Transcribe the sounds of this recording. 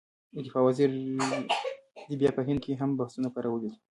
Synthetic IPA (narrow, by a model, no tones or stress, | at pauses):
əd̪ɪfɑwaziɾ | d̪ibjɑpəɦɪnd̪̚keɦambahsunapaɾawəlid̪i